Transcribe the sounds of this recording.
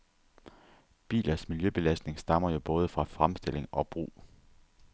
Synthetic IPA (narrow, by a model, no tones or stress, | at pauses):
b̥ḭːlʔɐsmiljøb̥e̝læsd̥ne̝ŋsd̥ɑ̈m̰ɐjo̝b̥ɔ̽ːð̞ˠəfʁɑ̈fʁamsd̥e̝l̰e̝ŋɒ̽b̥ʁṵː